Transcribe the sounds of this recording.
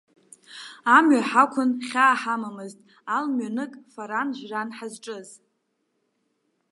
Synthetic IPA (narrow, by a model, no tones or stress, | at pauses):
amɥaħakʷʰʊnχʲaːħamamɨztʼ | almɥanɨkʼfaɾanʒᶣranħazʈ͡ʂʼɨz